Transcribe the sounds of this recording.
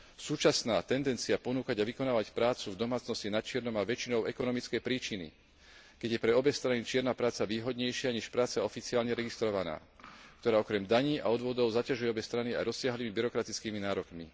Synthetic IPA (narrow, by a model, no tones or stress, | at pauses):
suːt͡ʃasnaːt̪ɛnd̪ɛnt͡siapɔnuːkaɟaʋikɔnaːʋacpɾaːt͡suvd̪ɔmaːt͡snɔscinat͡ʃɪɛɾnɔmaʋɛt͡ʃinɔʊɛkɔnɔmit͡skɛjpɾiːt͡ʃinḭ | kɛɟjɛpɾɛɔbɛst̪ɾanit͡ʃɪɛɾnapɾaːt͡saʋiːɦɔd̪ɲɛjʃɪaɲɛʃpɾaːt͡saɔfit͡siaːlɲɛɾɛɡist̪ɾɔʋana̰ː | kt̪ɔɾaːɔkɾɛmd̪aɲiːʔa̰ɔd̪ʋʊɔd̪ɔʊzacaʒujɛɔbɛst̪ɾania̰jɾɔsːɪaɦliːmibiɾɔkɾat̪it͡skiːminaːɾɔkmḭ